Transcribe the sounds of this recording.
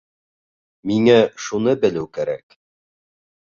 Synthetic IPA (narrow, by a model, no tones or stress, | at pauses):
miŋæʃunɤbɘ̆lɘwkæɾæ̰k